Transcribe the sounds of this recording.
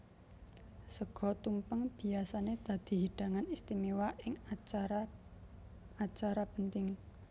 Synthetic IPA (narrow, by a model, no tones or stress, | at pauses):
səɡ̥ɔ̤t̪umpəŋb̥i̤asaned̪̥ä̤d̪̥i̤ɦiɖ̥a̤ŋanist̪imewaʔɪŋa | at͡ʃaɾapənt̪ɪŋ